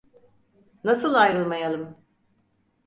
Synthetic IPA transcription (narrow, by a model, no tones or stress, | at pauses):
nasɯlˠajɾɯlˠmajalˠɯm